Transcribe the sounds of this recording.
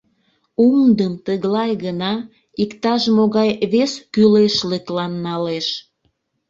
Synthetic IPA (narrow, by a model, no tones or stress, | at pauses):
umd̪əmt̪əɣlɑjɣənɑ | ikt̪ɑʃmoɣɑjβeskyleʃləklɑnːɑleʃ